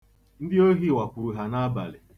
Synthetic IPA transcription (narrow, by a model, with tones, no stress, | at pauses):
n̩˦dɪ˦o˦ɦi˦˨wa˨kʷu˨ɾu˨ɦa˨na˦ba̰˨lɪ̰˨